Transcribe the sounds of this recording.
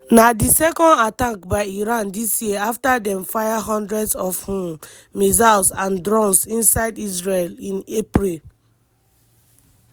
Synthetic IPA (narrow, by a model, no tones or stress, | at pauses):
nadisɛkɔ̃ndatakbaɪiɹãndisjiaftadɛ̃mfaɪɦɔ̃ndɹɛdsɔfhũm | mizalsãndɹɔ̃nsĩnsaɪdisɹelĩnepɹil